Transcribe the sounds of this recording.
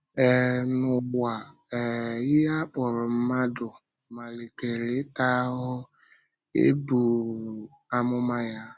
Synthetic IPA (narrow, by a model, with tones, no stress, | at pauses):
ɛ˨nʊ˨ɡ͡bʷa˨ | ɛ˨ɪ˦ja˦k͡pʊ˨ɾʊ˨m̩˦ma˦dʊ˨ | ma˨le˨te˨ɾe˨˦ta˦ɦʊ˦ | ḛ˦bu˨ | a˦mʊ˦ma˦ja˦